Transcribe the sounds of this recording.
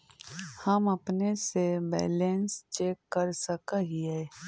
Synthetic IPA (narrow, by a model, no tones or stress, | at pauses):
hɐmɐpnesebɛ̰ːleːnst͡ʃeːkːɐɾsɐkaɦiɦɛː